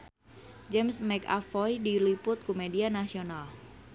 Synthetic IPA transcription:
d͡ʒɛmsmɛka̰fɔjdilipʊt̪̚kumedianasional

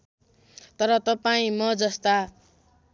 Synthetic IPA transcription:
t̪ʌɾʌt̪ʌpaĩmʌd͡zʌst̪a

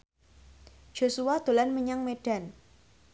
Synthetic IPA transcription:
d͡ʒ̥o̤suwad̪̥o̤lanməɲaŋmeɖ̥a̤n

